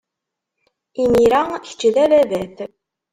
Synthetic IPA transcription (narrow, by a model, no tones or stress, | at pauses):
imiɾæçə̥t͡ʃːlælævæθ